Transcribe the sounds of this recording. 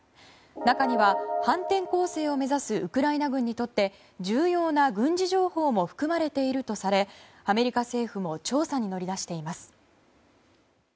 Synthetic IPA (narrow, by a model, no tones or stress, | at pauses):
nakaɲ̟iβahãnt̪ẽ̞ŋko̞ːse̞ːo̞me̞zasɨʔɯkɯ̟ɾainaɡɯ̟̃ɲ̟ːit̪o̞t̪ːe̞ | d͡ʑɨːjo̞ːnaɡɯ̟̃ɲd͡ʑiʑo̞ːho̞ːmo̞ɸɯ̥kɯ̟maɾe̞t̪e̞iɾɯ̟t̪o̞saɾe̞ | ame̞ɾʲikase̞ːɸɯ̟mo̞t͡ɕo̞ːsaɲ̟ino̞ɾʲid̪aɕi̥t̪e̞imasɨ̥